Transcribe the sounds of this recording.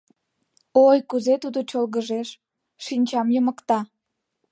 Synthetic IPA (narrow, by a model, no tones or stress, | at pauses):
ojkuzet̪ud̪ot͡ɕolɣəʒeʃ | ʃinʲt͡ɕɑmjəməkt̪ɑ